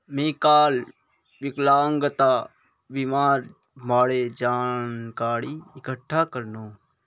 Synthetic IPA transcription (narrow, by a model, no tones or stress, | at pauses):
mẽːkaːl | ʋɪklaːŋɡət̪aː | bimaːɾ | maːɽeːd͡ʒaːnkaːɽiːɪkəʈʰːaːkəɾnoː